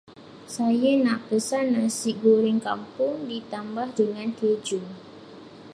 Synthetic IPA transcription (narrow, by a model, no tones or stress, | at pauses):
sajanaʔpəsanːasiʔɡuɾɪŋkampʊŋdit̪ambahdəŋãnked͡ʒu